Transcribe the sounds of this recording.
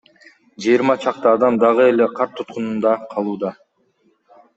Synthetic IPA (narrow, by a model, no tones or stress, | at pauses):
d͡ʒɯjːɾmɑt͡ʃʰɑqt̪ɑːd̪ɑmd̪ɑʁɯe̞le̞qʰɑɾt̪ʰːut̪̚qunund̪ɑqʰɑlˠuːd̪ɑ